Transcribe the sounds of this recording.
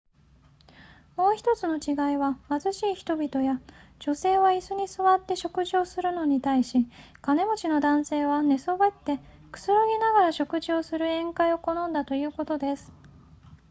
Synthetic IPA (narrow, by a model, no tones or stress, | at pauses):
mo̞ːçi̥t̪o̞t͡sɨno̞t͡ɕiɡaiβamazɨɕiːçi̥t̪o̞bʲit̪o̞jad͡ʑo̞se̞ːβaisɨɲ̟isɨβat̪ːe̞ɕo̞kɯ̟ʑio̞sɨɾɯ̟no̞ɲ̟it̪aiɕi | kane̞mo̞t͡ɕino̞d̪ãɰ̃se̞ːβane̞so̞bet̪ːe̞ | kɯ̥sɨɾo̞ɡʲinaɡaɾaɕo̞kɯ̟ʑio̞sɨɾɯ̟ẽ̞ŋkaio̞ko̞nõ̞nd̪at̪o̞jɯ̟ːko̞t̪o̞d̪e̞sɨ̥